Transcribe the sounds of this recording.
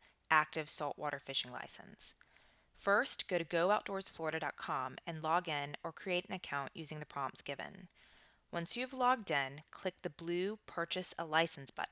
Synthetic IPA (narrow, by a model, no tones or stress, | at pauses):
ʔæk̚tɨv̥sɔlˠʔwɔ̰ɾʔə˞fɪʃɪ̃ŋla̰ɪsɨ̰̃ns | fɜ˞sɡ̥oʊɾɨɡoʊaʊt̚d̥ɔɹz̥flɔɹɨɾɨdɑ̰t̚kʰɑ̃mɨ̃nlɔɡɪ̃nə˞kʰɹ̥ieɪɾ̃n̩ɨkʰãʊ̃nʔjʉzɪ̃ŋðɨpʰɹ̥ɑbl̃m̩z̥ɡ̥ɪvɨ̰̃n | wʌ̃nsjʉːvlɔɡ̚dʌ̃nkʰl̥ɪk̚ðɨblʉpʰɜ˞t͡ʃɨsəlaɪsn̩sb̥ʌ̰ʔ